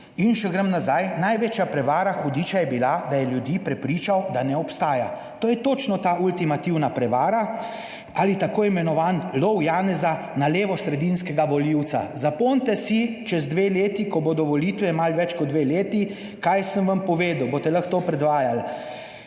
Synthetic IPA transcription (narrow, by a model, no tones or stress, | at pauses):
inʃɛɡɾəmnazajnajʋeːt͡ʃjapɾɛʋaːɾaxɔd̪iːt͡ʃajɛbilad̪ajɛljud̪iːpɾɛpɾiːt͡ʃawd̪anɛɔpst̪aːja | t̪oːjɛt̪oːt͡ʃnɔt̪aːult̪imat̪iwnapɾɛʋaːɾa | alit̪akoːjimɛnɔʋaːnlɔwjaːnɛza | naleːʋɔsɾɛd̪inskɛɡaʋɔliwt̪sa̰zapont̪ɛsit͡ʃɛzd̪ʋeleːt̪ikɔboːd̪ɔʋɔlit̪ʋɛmalʋɛt͡ʃkɔd̪ʋeleːt̪i | kajsəmʋampɔʋeːd̪əwbot̪ɛlɐxt̪oːpɾɛd̪ʋaːjal